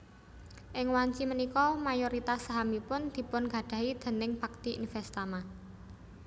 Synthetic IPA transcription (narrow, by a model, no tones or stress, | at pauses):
ʔɪŋwaɲt͡ʃimənikɔmajoɾit̪asːaɦamipʊnd̪̥i̤pʊnɡa̤ɖ̥ä̤ɦid̪̥ə̤nɪŋb̥a̤k̚t̪iḭnfɛst̪ama